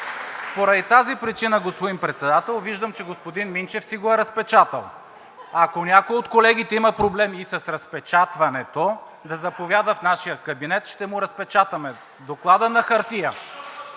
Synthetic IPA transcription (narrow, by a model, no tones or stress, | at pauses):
spoɾɐd̪it̪azipɾit͡ʃinəɡospod̪inpɾɛt̪sɛd̪at̪ɛlˠviʒd̪əmt͡ʃɛɡospod̪inmint͡ʃɛfsiɡoɛɾɐspɛt͡ʃat̪ə̰lˠ | ɐkonʲakojot̪kolɛɡ̟it̪ɛimɐpɾoblɛmiːsɐsɾɐspɛt͡ʃat̪vɐnɛt̪o | d̪ɐzɐpovʲjad̪əfnaʃijəkɐbinɛt̪ʃt̪ɛmʊɾɐspɛt͡ʃat̪ɐmɛ | d̪oklˠad̪ənɐxɐɾt̪ijə